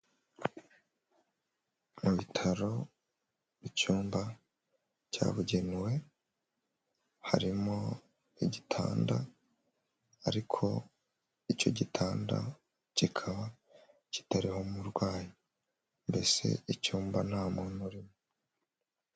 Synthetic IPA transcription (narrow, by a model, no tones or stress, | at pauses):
muβitʰaɾo̞ | βicuːmba | ɟa̰ːβuɟenwe̞ | haɾimo | iɟitʰa̰ːnda̰ | ɾikʰo̞̰ | ico̞ɟitʰaːnda̰ | cikʰaβa | ci̥taɾiho̞muɾɡwaːji | mbe̞se̞̰icuːmbanaːmonuɾimo